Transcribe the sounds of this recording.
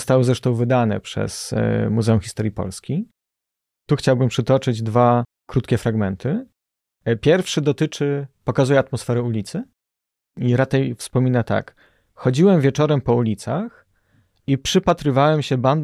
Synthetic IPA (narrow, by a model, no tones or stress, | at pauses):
st̪awɔzɾɛʂt̪ɔ̃w̃vɘd̪anɛ̰pʂɛ̰smuzɛumxʲist̪ɔɾʲjipɔ̰lskʲi | t̪uxt͡ɕawbɘmpʂɘt̪ɔt͡ʂɘd͡ʑd̪va | kɾut̪kʲɛfɾaɡmɛnt̪ʰɘ | pʲjɛɾfʂɘd̪ɔt̪ɘt͡ʂɘpɔkazujɛat̪mɔsfɛɾɛulʲit̪sɘ | iɾat͡ʂɛjfspɔmʲinat̪a̰k | xɔd͡ʑiwɛmvʲjɛt͡ʂɔɾɛmpɔulʲit̪sax | ipʂɘpat̪ɾɘvawɛmɕɛband̪